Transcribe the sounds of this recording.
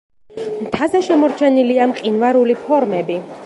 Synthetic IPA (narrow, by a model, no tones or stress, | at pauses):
mt̪ʰazɛʃɛmɔɾt͡ʃʰɛniliamqʼinvaɾulipʰɔɾmɛbi